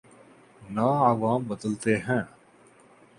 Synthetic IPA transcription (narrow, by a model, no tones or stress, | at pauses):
naːaːʋaːmbəd̪əlt̪eɦɛ̃ː